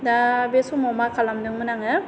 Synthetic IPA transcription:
dabesumɔmakalamdɯŋmɯnaŋɯ

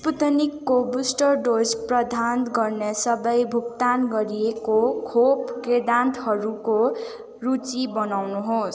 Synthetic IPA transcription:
sput̪ʌnikːobusʈʌrɖod͡zprʌd̪ʱanɡʌrnesʌbʌjbʱuk̚t̪anɡʌɾiekokʰopked̪ant̪ʌɾuko | rut͡sibʌnawnuɦos

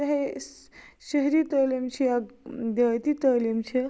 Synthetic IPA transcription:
ɐɦe | ʃəɦɾit̪əlimt͡ʃʰijad̪ɐt̪it̪əlimt͡ʃʰi

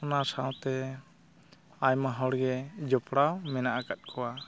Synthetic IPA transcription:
ɔnasaw̃t̪ɛ | ajmaɦɔɽɡɛd͡ʒɔpɽawmɛnaʔakat̪̚ˀkʰɔwa

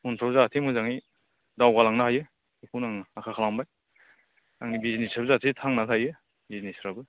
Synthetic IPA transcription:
untʰawzatʰemɯzaŋi | dawɡalaŋnaɦajɯ | ikʰunaŋaakʰakʰalaŋbaj | a̰ŋnibiznisabzatʰetʰaŋnakʰajɯ | biznisɾabɯ

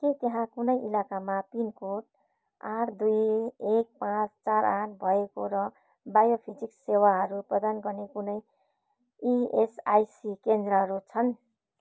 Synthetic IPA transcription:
ket̪eɦãkunʌjʔilakamapinkoʈ̚ | aʈd̪ujek̚pãt͡st͡saɾanbʱʌekoɾʌ | bajopʰid͡ziksewaɦʌɾuprʌd̪anɡʌrnekunʌj | iesajsikend̪rʌɦʌɾut͡sʰʌn

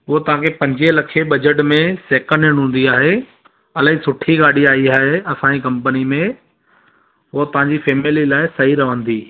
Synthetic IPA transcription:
ɦʊɦot̪ɐʋ̤ãːkʰepɐ̃ɲd͡ʑelɐkʰeɓɐd͡ʑəʈmẽseːkəneɽ̃ɦũːn̆d̪iaːɦeː | ɐləɦisʊʈʰiɠaːɽ̤iaːiaːɦeɐsãd͡ʑikɐ̃mpənimẽ | ɦʊot̪ɐʋ̤ãːɲd͡ʑifeːmɪlilaːɪsɐɦiɾɐʋə̃nd̪iː

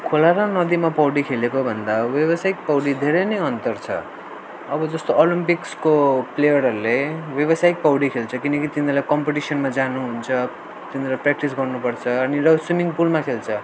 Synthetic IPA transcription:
kʰolaɾʌnʌd̪imapʌwɽikʰelekobʱʌnd̪awjeβʌsajk̚pʌwɽid̪ʱeɾejnʌjʌnt̪ʌrt͡sʰʌ̰ | ʌbʌd͡zʌst̪oʔolimpikskoplejʌɾɦʌɾulewjʌβʌsaik̚pʌwɽikʰelt͡sʰʌkinʌkit̪inlajkʌmpeʈisʌnmad͡zanuɦunt͡sʰʌ | t̪inlaprak̚ʈisɡʌrnupʌrt͡sʰʌːnirʌswimiŋpulmakʰelt͡sʰʌ

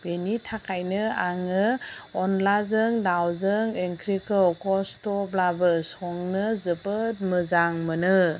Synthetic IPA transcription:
b̥enitʰakajnɯaŋɯɔnlazɯŋdawzɯŋeŋkʰɾikɯwkɔstɔblabɯsɔŋnɯzɯpɯt̚mɯzaŋmɯnɯ

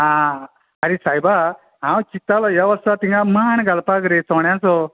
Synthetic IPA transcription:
ã | aɾisajba | ɦãwt͡ʃit̪alɔjaʋəsat̪iŋɡamaɳɡalpaɡɾet͡sɔɳjãsɔ

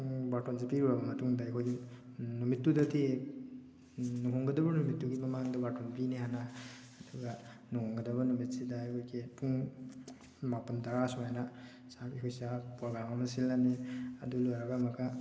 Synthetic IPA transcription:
batɔnzepiɾubabamatʰuŋdajkʰojɡi | numitːudatʰe | nuɦɔŋɡɐdɐbɐnumitːuɡimamaŋdabatɔnpineɦanaː | duɡa | nuhɔŋɡadɐβanumitsidajkojkepʰuŋ | mapandaɾasɔajna | sabihujsapɾɔɡɾamamasilːanea̰dulɔjɾaɡamakʰa

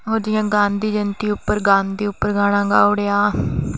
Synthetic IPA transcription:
ɦoːd͡ʒɪjãːɡãːnd̪iːd͡ʒənt̪iːʊpːəɾɡãːnd̪iːʊpːəɾɡaːɽ̃ãːɡa̰ːoːɽejaː

